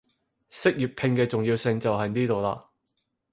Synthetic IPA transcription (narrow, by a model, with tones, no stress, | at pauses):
sɪ˥k̚jyː˨˩t̚pʰɪ˧ŋkɛː˧t͡sʊ˨ŋjiː˧wsɪ˧ŋt͡sɐ˨wɦɐ˨˩jniː˥t̪o˨wla̰ː˧